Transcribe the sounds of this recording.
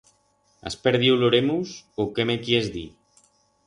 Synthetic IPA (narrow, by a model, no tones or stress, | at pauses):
a̰speɾðiwloɾemusokemekiezðḭ